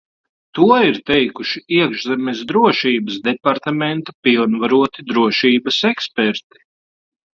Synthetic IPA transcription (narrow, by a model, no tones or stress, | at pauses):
t̪uɔiɾt̪ɛjkuʃiiɛkʒzɛmʲɛsd̪ɾuɔʃiːbɐsd̪ɛpaɾt̪amɛnt̪apilˠnvaɾuɔt̪id̪ɾuɔʃiːbɐsɛkspɛɾt̪i̥